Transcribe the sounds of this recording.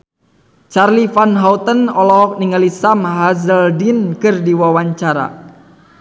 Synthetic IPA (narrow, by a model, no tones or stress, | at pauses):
t͡ʃarlifanɦaut̪ənɔlɔɦɔk̚niŋalisamɦazəldinkɨrdiwawaɲt͡ʃaɾa̰